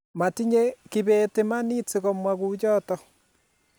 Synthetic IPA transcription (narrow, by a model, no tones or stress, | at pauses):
matiɲekiβetemanit͡seɣomwaɣud͡ʒɔtɔ